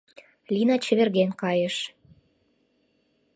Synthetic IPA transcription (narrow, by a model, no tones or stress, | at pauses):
lʲinɑt͡ɕə̆βerɣenkɑjə̆ʃ